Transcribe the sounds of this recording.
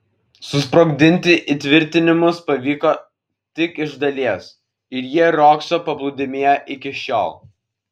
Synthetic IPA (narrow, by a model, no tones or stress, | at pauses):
sʊspɾoːɡd̪ʲɪnʲt̪ʲɪʔit̪ʲʋʲɪɾʲt̪ʲɪnʲɪmʊspɐʋʲiːkoː | t̪ʲɪkɪʒd̪ɐlʲiɛs | ɪɾjiɛɾoːksoːpɐblˠʊd̪ʲɪmʲiːɛʔɪkʲɪʃʲo̰ːlˠ